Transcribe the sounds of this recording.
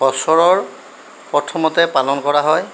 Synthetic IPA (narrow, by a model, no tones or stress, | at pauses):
ɔsɔɹɔɹ | pɔtʰɔmɔtɛpalɔnkɔɹaɦɔj